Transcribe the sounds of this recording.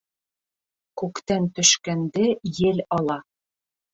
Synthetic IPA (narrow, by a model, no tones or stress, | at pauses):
kʉkt̪ænt̪ɵ̆ʃkænd̪ɘjɘlɒlˠɑ